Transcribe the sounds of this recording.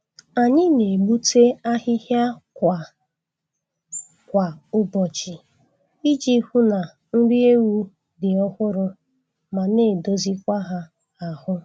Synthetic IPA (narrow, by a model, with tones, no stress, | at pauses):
a˨ɲɪ˦ne˨ɡ͡bu˦tʰe˦a˦ɦɪ˦ɦja˦kʷa˨ | kʷa˨ʊ˦bɔ˨t͡ʃi˨ | i˦d͡ʒi˦hu˦na˨ | n̩˦di˦e˦wu˦ | dɪ˨ɔ˦hʷʊ˦ɾʊ˦ | ma˨ne˦˨do˦zi˦kʷa˦ɦa˦ | a˨hʊ˦